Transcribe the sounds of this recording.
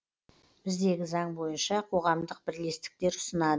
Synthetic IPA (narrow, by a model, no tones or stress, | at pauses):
b̥ɪzd̪e̞ɡʲɪzɑɴbo̞jənʃɑqʰo̞ʁɑmd̪əq̚b̥ɪɾle̞st̪ɪ̥k̚t̪e̞ɾʊ̥sənɑd̪əə